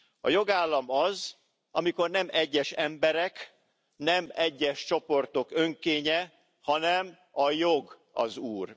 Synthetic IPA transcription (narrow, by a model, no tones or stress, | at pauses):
ɒ̰jo̞ɡaːlːɒmɒz | ʔɒmiko̞rnɛmɛɟːɛʃɛmbɛɾɛk | nɛmɛɟːɛʃt͡ʃo̞po̞rt̪o̞køŋkeːɲɛ | hɒnɛm | ɒjoɡ | ɒ̰zuːr